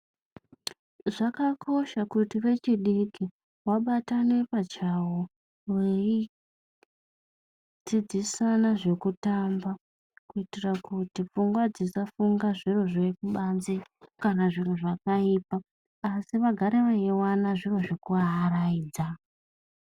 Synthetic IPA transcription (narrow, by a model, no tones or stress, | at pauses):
ʐakakʰo̞ʃakutiʋe̞t͡ʃiɗiki | waɓatane̞pat͡ʃawo | wei | d͡zid͡zisanaʐe̞kutamba | kuitirakutip͡fuŋɡwad͡zisafuŋɡaʐiro̞ʐeikuɓanzekanaʐiroʐakaiːpaː | siʋaɡʱaɾeʋaewanaʐiro̞ʐekuaraiːd͡za